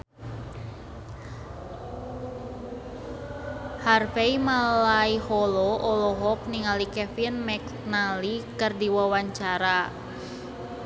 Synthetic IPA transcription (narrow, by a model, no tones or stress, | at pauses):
harfeimalaihɔlɔʔɔlɔɦɔk̚niŋalikɛfinmɛk | nalikərdiwawaɲt͡ʃaɾa